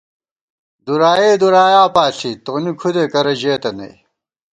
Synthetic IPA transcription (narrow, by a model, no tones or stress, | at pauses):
d̪uɾaːjeːd̪uɾaːjaːpaːɬit̪onikʰud̪ekɐɾɐʑeːt̪ɐnɐ̰j